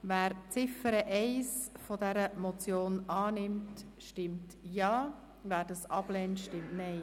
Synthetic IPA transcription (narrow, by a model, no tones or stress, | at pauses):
væːɾt͡sɪfəɾəʔɛɪsfodɛɾəmɔt͡sjoːnɑːnɪmt | ʃtɪmtjɑː | væːɾdɑsɑb̥lɛntʃtɪmtnɛɪ